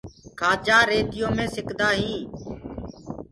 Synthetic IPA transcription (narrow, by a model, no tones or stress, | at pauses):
kʰaːd͡ʒaːɾeːt̪ɪjõːmẽːsɪkʰd̪aːɦĩː